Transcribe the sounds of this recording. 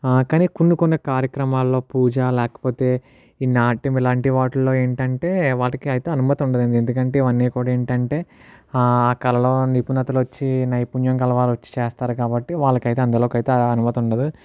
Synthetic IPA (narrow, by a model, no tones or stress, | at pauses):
kaːniːkunːukonːɐkaːɾjɐkɾɐmaːlːo̞ːpuːd͡ʒaːlɛːkɐ̥po̞ːt̪e̞ː | iːnaːʈimilaːɳʈiʋaːʈɐlo̞ːe̞ːɳʈɐɳʈe̞ːʋaːɭɐkiɐjit̪eːɐnumɐt̪iuɳɖɐd̪end̪iend̪ukɐɳʈe̞ːiʋɐnːiːkuːɽaːeːɳʈɐɳʈe̞ː | aːkɐlɐlo̞ːnipunɐt̪ɐlʋɐt͡ʃːinɐjpuɲjɐŋkɐlɐʋaːlʋɐt͡ʃːi̥t͡ʃeːst̪aːɾukaːbɐʈːiʋaːɭːɐkɐjt̪eɐnd̪ɐlo̞ːkɐjit̪eːɐnumɐt̪iuɳɖɐd̪u